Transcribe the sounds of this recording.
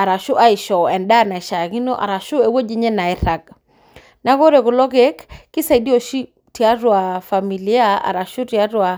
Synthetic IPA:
a˨ɾa˨ʃu˦ʔa˦i˨ʃɔ˨ɛ˨nda˦na˨i˨ʃa˨ki˦nɔ˦ʔa̰˨ɾa˨ʃu˦e˨wo˦d͡ʒi˦ɲɛ˦na˨ɛ˦ɾa˨k̚ | na˦ko˦ɾe˨ku˨lɔ˦ke˦kkːi˦sa˨i˨di˦ɔ˨ʃi˦ | ti˨a˦ɾwa˨fa˨mi˨li˦a˦a̰˨ɾa˨ʃu˦ti˨a˦ɾwa˨

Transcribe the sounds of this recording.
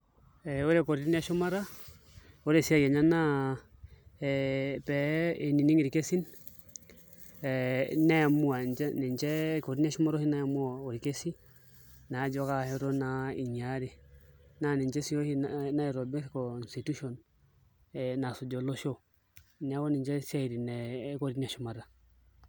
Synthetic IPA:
ɛo˦ɾɛ˦kɔ˨ɾi˦i˦ni˦a˦ʃɔ˦ma˦ɾa˦ | o˦ɾe˦si˦a˦jɛ˨ɲa˦na˦ | pɛ˨e˨ni˨ni˦ŋi˨ɾi˨ke˦si˦n | na˦a˨mu˦a˨nɛ˨ɲt͡ʃɛ˦ko˨ɾi˦ni˦a˦ʃɔ˦ma˦ɾɔ˦hi˦na˦ja˨mu˦a˨o˨ɾi˨ke˦si˦ | na˨˦d͡ʒo˦ka˦hi˦ɾo˦na˦ḭ˨ɲa˦ɾi˨na˦ni˨ɲt͡ʃe˦si˦jo˦hi˦na˦i˨ɾo˨bi˦skoi˨nsi˨tu˦ʃo˨n | ena˨su˨ɟo˨lo˦ʃo˦ | ni˨a˦wo˦ni˨ɲd͡ʒe˦si˦a˦i˨ɾi˨ne˨˦ko˦ɾin˦a˨ʃu˦ma˨ɾa˨

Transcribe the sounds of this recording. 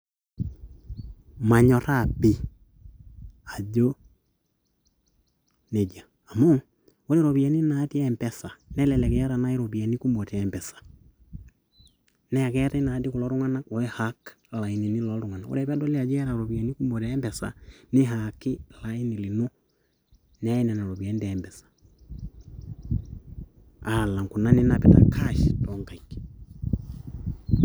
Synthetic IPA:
ma˨ɲɔ˨ɾa˦˨pi˨ | a˨d͡ʒo˦ | ne˨d͡ʒa˨ | a˨mo˦ | o˦ɾɛ˨ɾo˨βi˨a˨ni˦na˨˦ti˦ɛ˨mpɛ˨sa˨nɛ˦lɛ˨lɛ˨kɛ˨ja˦ɾa˨na˦i˦ɾo˨pi˨a˨ni˦ku˦mo˨tɛ˨ɛ˨mbɛ˨sḁ˨ | nɛ˦a˨kɛ˦ta˦i˦na˨˦di˦ko˨lɔ˨˦ɾu˦ŋa˦na˦kɔ˨ɛ˦ha˨˦k | la˨i˨ni˨ni˦lɔ˨lu˨ŋa˨na˨o̰˦ɾɛ˨pa˦dɔ˦li˦a˨d͡ʒɛ˦ɾa˨ɾɔ˨bi˨a˨ni˦ku˦mbɔ˨tɛ˦mbɛ˨sa̰˨nɪ˦ɦakɪ˦la˦i˦ni˨li˨no˦ | nɛ˦nɛ˨na˨ɾɔ˨bi˨a˨˦ndɛmbɛ˨sḁ | a˨la˨ŋku˨na˦ni˦na˨pɛ˨ta̰˨kʰa˦ʃtɔ˨˦ŋka˨ik

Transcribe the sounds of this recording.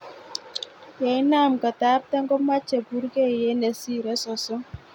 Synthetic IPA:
jɛ˨ɪ˦na˦˨mka˨ta˦p̚tɛ˦ŋɡɔ˦ma˦t͡ʃe˨pu˦ɾke˦˨je˨˦ne˨si˦ɾɛ˦sɔ˨sɔ˦

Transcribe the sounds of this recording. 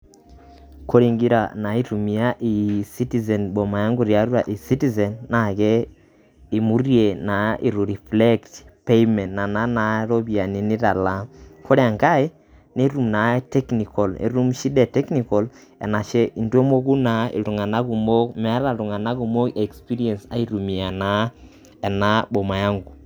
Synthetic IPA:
ko˦ɾi˨ŋɡi˦ɾa˨na˨˦i˦tu˨mi˨˦a˦ʔi˨si˦ti˨zɛ˨nbo˨ma˨ja˦ŋɡo˨ɾja˨ɾu˦ɾa˨ʔi˨si˦ti˨zɛ˨nːa˨ɣɛ˦ | i˨mu˦rje˨na˨ʔi˨ɾu˨ɾi˨fle˦ktpe˦imɛ˨ntna˨na˦na˨ɾo˦βi˨a˨ni˨ni˦ɾa˨la˦kʰo˦ɾɛ˦a˨ŋɡa˦e˦ | ne˦ɾu˦˨mna˨˦tɛ˦kni˨kɔ˨lḛ˨˦ɾu˦mʃi˦dɛ˨tɛ˦kni˨kɔ˨l | ɛ̰˨na˨ʃɛ˦ʔi˨ndwo˦mo˦ku˦na˨˦ḛ˨tu˨ŋa˨na˦ɣu˨mo˦kmɛ˦a˦ɾa˨ɾu˨ŋa˨na˦ɣu˨mo˦ke˨kspi˦ɾi˦ɛ˨nsa̰˦i˦ɾu˨mi˨a˨na˨˦ | ɛ˨na˦bɔ˨ma˨ja˦ŋɡu˨

